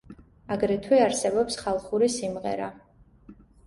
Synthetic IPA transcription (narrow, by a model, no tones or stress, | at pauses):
aɡɾɛt̪ʰwɛaɾsɛbɔpsχalˠχuɾisimʁɛ̰ɾa